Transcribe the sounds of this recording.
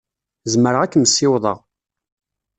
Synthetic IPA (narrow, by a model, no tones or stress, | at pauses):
zməɾʁækːməsːɪwðˤə̰ʁ